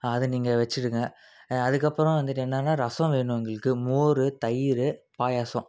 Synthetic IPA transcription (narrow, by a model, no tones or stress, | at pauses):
ɐðɯniːŋɡɐʋɛt͡ʃːɪɽɯŋɡɐ | ɐðɯkːɐpːɯɾɔ̃ʋɐnd̪ɯʈːɛnːɐːnːaːɾɐsɐ̃ʋeːɳɯ̃ɐŋɡɐɭɯkːɯmoːɾɯt̪ɐjɪɾɯpaːjaːsɔ̃